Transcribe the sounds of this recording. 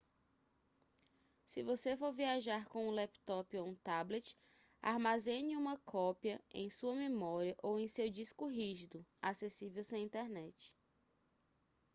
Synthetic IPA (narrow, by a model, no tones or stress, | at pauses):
sɪvosefoɾviaʒaɾkõũlɛpt̪ɔpoũt̪ablet͡ʃɪ̥ | a̰ɾmazẽniũmɐkʰɔpiɐḛ̃j̃suɐmemɔɾiɐʔowẽj̃sewd͡ʒiskʊɦiʒid̪ʊasesivewsẽĩnt̪ɛɾnɛt͡ʃɪ̥